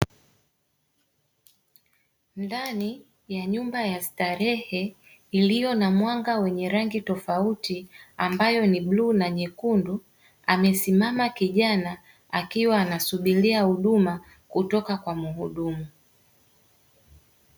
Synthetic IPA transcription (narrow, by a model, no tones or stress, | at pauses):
ndani | jaɲumbajastaɾɛhɛ | ilijɔnamwaŋɡawɛɲɛɾaŋɡitɔfautiambajɔniɓlunaɲɛkundu | amɛsimamakiʄana | akiwaːnasuɓiliahuɗuma | kutɔkakwamuhuɗumu